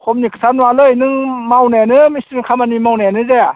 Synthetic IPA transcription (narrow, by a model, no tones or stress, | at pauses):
kʰɔmnikʰɯ̥sʰanwalɯjnɯŋmawnajanɯmistikʰamanimawnajanɯzea